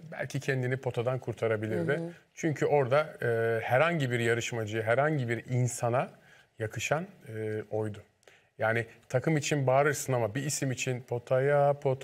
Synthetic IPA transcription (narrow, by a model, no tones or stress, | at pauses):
bæ̰lʲcʰicʰɛnd̪inipʰo̞t̪ʰad̪ankʰuɾt̪ʰaɾabilʲiɾd̪ɪt͡ʃʰyɲcʰyo̞ɾd̪aɯːhæɾhaɲɟibiɾjaɾɯʃmad͡ʒɯjɯɦæɾhaɲɟibiɾinsana | jakʰɯʃanɯːo̞jd̪ʊ | jaːnɪt̪ʰakʰɯmit͡ʃʰinbaːɾɯɾsɯnamabiːsimit͡ʃʰinpʰo̞t̪ʰajapʰo̞t̪ʰ